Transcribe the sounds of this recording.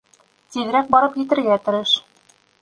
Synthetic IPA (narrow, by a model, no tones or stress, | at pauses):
t̪iðɘ̆ɾæk̚bɒɾɤpjɘ̆t̪ɘ̆ɾɡæt̪ŏɾɤʃ